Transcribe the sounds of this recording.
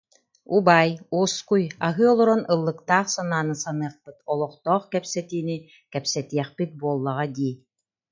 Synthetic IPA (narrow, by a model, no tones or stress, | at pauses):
ubajuskujaɦɯɔlˠɔɾɔnɯlˠːɯkt̪aːχsanaːnɯsanɯɐχpɯt̪ɔlˠɔχt̪ɔːχkɛpsɛt̪iːni | kɛpsɛt̪iɛχpit̪̚buɔlˠːaʁad̪iː